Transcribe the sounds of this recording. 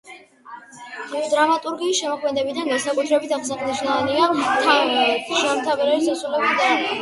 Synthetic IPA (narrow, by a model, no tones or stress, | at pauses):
iɔd̪ɾamat̪ʼuɾɡiːsʃɛmɔkʰmɛd̪ɛbid̪and̪asakʼut̪ʰɾɛbit̪ʰaχsaχid̪iʃaaniat̪ʰamɛɛt̪ʰʒamt̪ʰavɛɾɛɾisasulɛbid̪an